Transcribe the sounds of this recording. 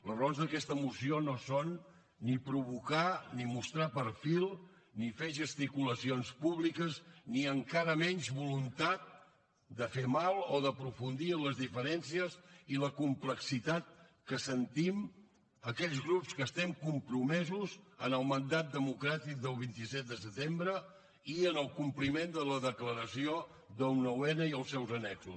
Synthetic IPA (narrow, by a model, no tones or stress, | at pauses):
ləronzðəkɛst̪əmusionosonː | ipɾuβukanimust̪ɾapəɾfilˠ | nifeʒəst̪ikuləsionspuβlikəzniəŋkaɾəmɛnʲzβulunt̪at̪̚ | d̪əfemalˠoðəpɾufund̪iələzðifəɾɛnsiəziləkumpləksit̪at̪̚kəsənt̪im | əkɛʎzɣɾupskəst̪ɛmkumpɾumɛzuzənəlˠmənd̪at̪̚d̪əmukɾat̪ik̚d̪əlˠβ̞int̪isɛt̪̚d̪əsət̪embɾə | iənəlˠkumplimend̪ələðəkləɾəsio | d̪onəwɛnəiəlˠsɛwzənɛksus